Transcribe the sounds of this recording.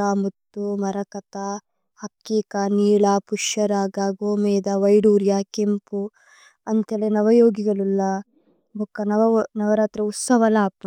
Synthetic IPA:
aːmut̪ːumɐɾɐkɐt̪a | hɐkːiːkɐniːɭapuʃɐɾaːɡaːɡoːmeːd̪ɐʋɐjɽuːɾjakempu | ɐnt̪ʰeːlenɐʋɐjoːɡiɡɐɭulːɐ | bʱukːɐnɐʋɐnɐʋɐɾaːt̪ɾɐut̪sɐʋɐlaːpɐ

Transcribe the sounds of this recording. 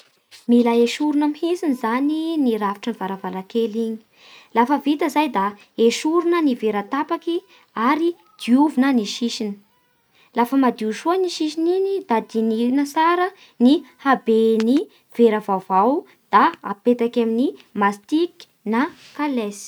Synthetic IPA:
milaeʃuɾunəmihisinizaniniɾafi̥ʈ͡ʂənivaɾavaɾakeliɲi̥ | lafəvit̪əzajd̪a | eʃuɾunəniveɾat̪apaki | aɾi | d̪̥iuvunəniʃiʃini̥ | lafəmad̪iuʃuaniʃiʃ̬ininid̪̥ad̪iniinəsaɾə | nihabeni | v̥eɾəvavaw | d̪̥aa̰pet̪akaminimast̪ik | na | kalesi̥

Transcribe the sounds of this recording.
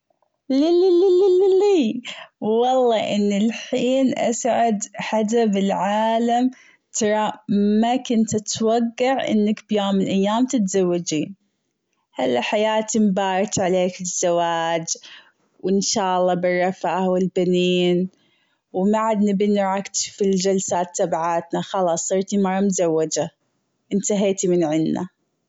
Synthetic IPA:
lililililili | wɑlˤːɑːʔɪnːɪlħiːnʔa̰sʕad̪ħad̪abɪlʕaːlam | t̪ʰɑɾˤɑmakʊnt̪at̪waɡːaʕʔɪ̰nːakbjoːmːɪlʔajːaːmt̪ɪt̪zawːad͡ʒiːn | halːaħajaːt̪imbɑːɾˤt̪ʕaleːkɪzːawaːd͡ʒ | wɪnʃaːʔɑlˤːɑːbɪrˤːɑfawɪlbaniːn | wmaʕad̪nɪbɪnɾˤɑkt̪fild͡ʒalsaːt̪ːabaʕaːt̪naxɑlɑːsˤːɑɾt̪imɑɾˤːɑmt̪zawːad͡ʒa | ʔɪnt̪aɦaːt̪imɪnʕɪnːa̰

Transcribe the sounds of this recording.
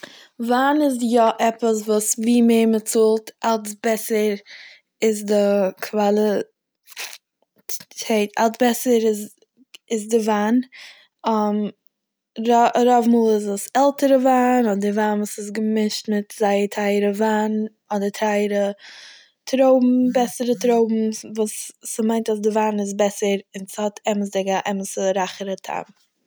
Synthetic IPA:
vaːnɪzjɔʔɛpəs̬vuːsviːmeɪmət͡sulˠtʔalˠsbɛsəɾ | ɪzdɪkʰvalˠi | etalˠsbɛsəɾɪz | ɪzdɪvaːn | ɔm | ɾɾɔvmuːlˠɪzəsɛlˠtəɾəvaːnɔdɪvaːnvuːsɪs̬ɡəmɪʃtmɪtzaɪəɾtʰaɪəɾəvaːn | ɔdəɾtʰaɪɾə | tʰɾoʊbm̩bɛsəɾətɾoʊbm̩vuːsːəmaɪntasdɪvaːnɪz̬bɛsəɾɪnshɔtʰɛməs̬dɪɡaʔɛməsəɾaχəɾətʰa̰m

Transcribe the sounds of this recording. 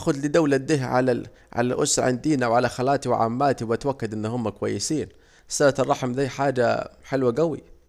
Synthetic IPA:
xʊd̪lɪd̪awlad̪ɪɦʕa̰la | ʕa̰lalʔʊ̰sɾˤʕɪ̰nd̪iːnawʕalaxalaːt̪iwɪʕa̰mːaːt̪iwat̪wakːad̪ʔɪnːhʊmːakwa̰jːɪsiːn | salat̪ɑrˤːɑħmðaːħaːd͡ʒa̰ħɪlwaɡawḭ

